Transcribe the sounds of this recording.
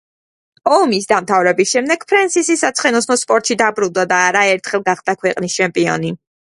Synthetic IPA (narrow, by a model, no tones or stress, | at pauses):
ɔmisd̪amt̪ʰavɾɛbisʃɛmd̪ɛɡ̥pʰɾɛnsisisat̪sʰχɛnɔsnɔspʼɔɾt̪ʼʃid̪abɾunˠd̪ad̪aːɾaɛɾt̪ʰχɛlˠɡaχd̪akʰwɛqʼnist͡ʃʰɛmpʼiɔ̰ni